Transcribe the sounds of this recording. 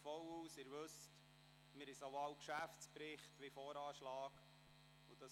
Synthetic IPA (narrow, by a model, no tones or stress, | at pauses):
fɔwuːsɪːɾʋɵst | mɪɾɪsawɑwkʃæftt͡spɾɪχtʋɪfɔːɾɑːʃlɑːɡ | ʊd̥ɑ